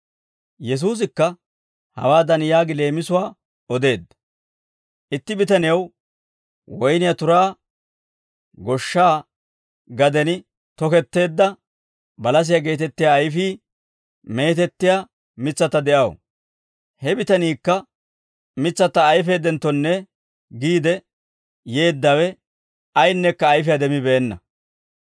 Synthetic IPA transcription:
jɛs̬uːs̬ɪkːɐ | hɐ̰waːd̪ɐnjaːɡɪle̞ːmɪsʊwaː | ɔd̪e̞ːd̪ːɐ | ʔɪt̪ːɪbɪt̪ɐnɪjɐw | wɔjnɪjat̪ʊɾaː | ɡɔʃːaː | ɡɐd̪ɛnɪ | t̪ɔkɛt̪ːe̞ːd̪ːɐ | bɐlɐs̬ɪjaɡe̞ːt̪ɛt̪ːɪjaːjfiː | me̞ːt̪ɛt̪ːɪja | mɪt͡sːɐt̪ːɐd̪ɛʔɐw̰ | hɛbɪt̪ɐniːkːɐ | mɪt͡sːɐt̪ːɐːjfe̞ːd̪ɛnt̪ːɔnːɛ | ɡiːd̪ɛ | je̞ːd̪ːɐwɛ | ɐjnːɛkːɐːjfɪjad̪ɛmɪbɛːnːɐ̰

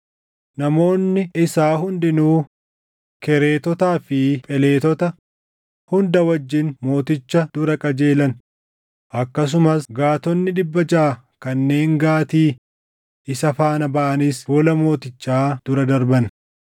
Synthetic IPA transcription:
nɐmo̞ːnːɪɪsaːɦʊnd̪ɪnuː | kɛɾe̞ːt̪ɔt̪aːfɪpʼɛle̞ːt̪ɔt̪ɐ | hʊnd̪ɐwɐd͡ʒːɪnmo̞ːt̪ɪt͡ʃːɐd̪̥ʊɾɐkʼɐd͡ʒe̞ːlɐn | ʔɐkːɐs̬ʊmɐsɡaːt̪ɔnːɪᶑɪbːɐd͡ʒaː | kɐnːe̞ːŋɡaːt̪iː | ʔɪsɐfaːnɐbɐʔɐnɪsfɔːlɐmo̞ːt̪ɪt͡ʃːaːd̪̥ʊɾɐd̪ɐɾbɐn

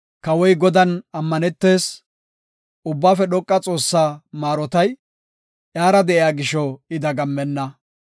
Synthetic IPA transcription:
kɐwɔjɡɔd̪ɐnɐmːɐnɛt̪ːe̞ːs | ʊbːaːfɛɗɔkʼːɐt͡sʼo̞ːsːaːmaːɾɔt̪ɐj | ʔjaːɾɐd̪ɛʔɪjaːɡɪʃɔɪd̪ɐɡɐmːɛnːɐ

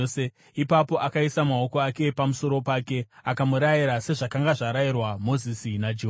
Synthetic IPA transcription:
se | ipapo̞ʔakaisamao̞ko̞ake̞pamuso̞ɾo̞paːke̞akamuɾajiɾase̞ʐakaŋɡaʐaɾajirwamo̞zisinad͡ʒi

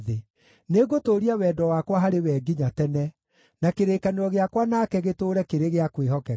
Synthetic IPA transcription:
ðe | neɣotoːɾiawɛːdɔwakwaɦaɾewɛːɡiɲatɛnɛ | nakeɾeːkaneɾɔɣeakwanakɛɣetoːɾɛkeɾeɣeakweɦɔkɛ

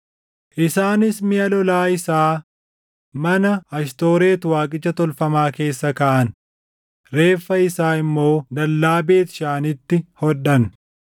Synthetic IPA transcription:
ʔɪsaːnɪsmɪɐlɔlaːɪsaː | mɐnɐɐʃt̪o̞ːɾe̞ːt̪waːkʼɪt͡ʃːɐt̪ɔlfɐmaːke̞ːsːɐkɐːʔɐn | ɾe̞ːfːɐɪsaːɪmːo̞ːd̪ɐlːaːbe̞ːt̪ɪ̥ʃaːnɪt̪ːɪhɔᶑːɐn

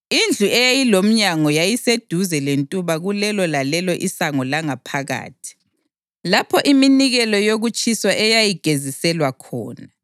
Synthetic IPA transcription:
ind͡ɮʱuɛjajilom̩ɲaŋɔjajised̥ʱuzɛlentʼuβaɣulɛlɔlalɛlɔʔisaŋɔlaŋapʰaɣa̰ːtʰi̥ | lapʰɔʔiminiɣɛlɔjoɣut͡ʃʰʼiswaʔɛjajiɡ̥ʱezisɛlwakʰɔ̰ːna

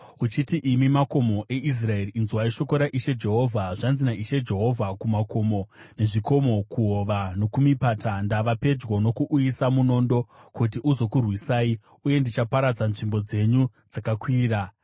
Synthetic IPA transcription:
ut͡ʃitiʔimimako̞mo̞ʔe̞is̬rae̞riːnzuwaiʃo̞ko̞ɾaʔiʃe̞d͡ʒe̞ɦo̞vʱaʐanzinaiʃe̞d͡ʒe̞ɦo̞vʱakumako̞mo̞ne̞ʐiko̞mo̞kuɦo̞ʋano̞kumipatandaʋape̞d͡ʒwono̞kuʔuisamuno̞ːndo̞kut̬iʔuzo̞kurwisaːi | uje̞ndit͡ʃapaɾad͡zanʐimbo̞d͡ze̞ɲu | d͡zakakwiːra

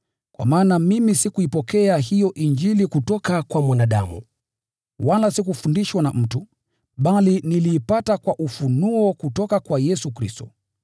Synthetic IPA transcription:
kwa̰maːnamimisikuipɔkɛaɦijɔʔind͡ʒilikutɔkakwamwanaɗa̰mṵ | walasikufundiʃwanam̩tu | ɓaliniliːpatakwaʔufunuɔkutɔkakwajɛsukɾistɔ

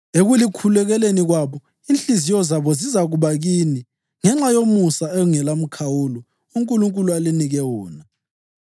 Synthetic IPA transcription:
eɣulikʰulɛɣɛleniɣwaβɔ | int͡ɬʼizijɔzaβɔzizaɣuβaɣiːni | ŋɛŋ͡ǁajomusaɛɣuŋɛlam̩kʰawulɔ | uŋkʼuluŋkʼulualiniɣɛwɔːna

